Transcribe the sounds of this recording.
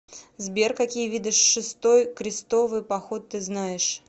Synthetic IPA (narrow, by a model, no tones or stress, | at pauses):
zbʲerkɐkʲijvʲid̪ɨʂːɨst̪o̞jkɾʲɪst̪o̞vɨjpɐxo̞t̪ːɨznajɪʂ